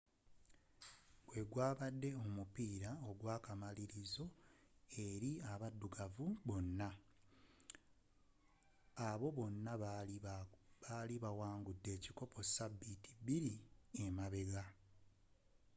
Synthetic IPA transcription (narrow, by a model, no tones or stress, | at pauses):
ɡwe̞ɡwaːβadːe̞o̞mupiːɾao̞ɡwaːkamaliɾizo̞e̞ɾiaβadːuɡavuβo̞nːa | aβo̞βo̞nːa | aliβawaːŋɡudːe̞ːciko̞po̞sabːiti̥biɾiemaβe̞ɡa